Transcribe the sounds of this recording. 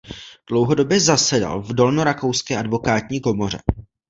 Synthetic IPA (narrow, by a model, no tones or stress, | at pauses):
ɡ̥lowɦo̞do̞bjɛzasɛda̰lvdo̞lnoɾako̞wskɛːʔadvo̞kaːt̪ɲiːko̞mo̞r̝ɛ̰